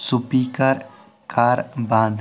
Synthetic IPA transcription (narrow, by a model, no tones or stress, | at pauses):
sʊpiːkəɾ | kʰaːɾbãːd̪